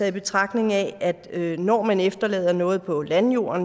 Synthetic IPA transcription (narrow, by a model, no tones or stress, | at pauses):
ɛðˠib̥e̝t͡sʰʁɑ̈ɡ̥ne̝ŋɛʔæd̥ønɒ̰ːmænefd̥ɐlɛ̰ːð̞ˠɐnɔ̽ːð̩ˠpʰɒ̽lænjo̝̰ːɐn